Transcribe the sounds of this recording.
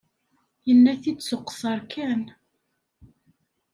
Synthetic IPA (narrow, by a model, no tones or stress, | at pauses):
jənːæθid̪sʊqːsˤɑɾˤkʰæn